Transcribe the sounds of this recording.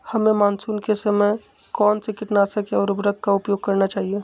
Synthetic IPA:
hɐmẽmaːnsuːnkesəmə | kɔːnsekɪʈnasɐkeɔːɾʊbɾəɡ̪̚kaʊpjoːɡ̚kɐɾnat͡ʃaːɦie

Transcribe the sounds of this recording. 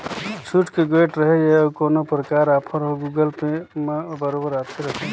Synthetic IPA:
t͡ʃʰuʈkeɡeːʈɾɐɦejeɐbkoːnopɾɐkaːɾaːpʰəɾɦoɡuɡəlpembɐɾoːbəɾaːt̪ʰeɾɐɦẽ

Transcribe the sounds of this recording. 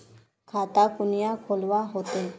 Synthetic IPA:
kʰat̪akunijakʰolʋaɦot̪e

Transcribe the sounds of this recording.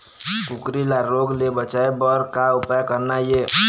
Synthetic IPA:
kukɾilaɾoɡlebət͡ʃaebəɾkaupjakəɾnaje

